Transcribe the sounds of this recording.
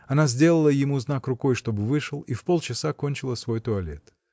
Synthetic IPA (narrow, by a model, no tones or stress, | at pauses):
ɐnazʲdʲe̞lˠəlˠəjɪmuznakrʊko̞jʂt̪o̞bɨvɨʂɨlˠifpo̞lˠt͡ɕɪsako̞nʲt͡ɕɪlˠəsvo̞jt̪ʊɐlʲe̞̰t̪